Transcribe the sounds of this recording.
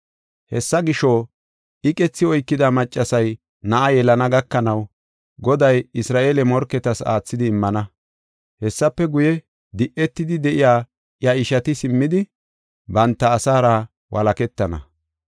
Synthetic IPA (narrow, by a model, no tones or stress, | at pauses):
hɛ̰sːɐɡɪʃɔ | ʔɪkʼɛt͡sːɪɔjkːɪd̪ɐmɐt͡ʃʼːɐsɐj | nɐʔɐjɛlɐnɐɡɐkːɐnɐw | ɡɔd̪ɐjɪsɾaːʔeːlɛmɔɾkːɛt̪ɐsa̰ːt͡sːɪd̪ɪːmːɐnɐ | hɛsːɐpːɛɡʊjɛ | d̪ɪʔːɛt̪ːɪd̪ɪd̪ɛʔɪjaː | jɐɪʃɐt̪ɪsɪmːɪd̪ɪ | bɐnt̪ːɐːsaːɾa | wɐ̰lɐkɛt̪ːɐnɐ̰